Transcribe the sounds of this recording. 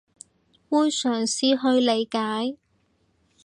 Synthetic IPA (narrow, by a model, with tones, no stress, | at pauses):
wuː˥nsœː˨˩ŋsiː˧ɦɵ˧ɥle˨˧jkaː˨˥j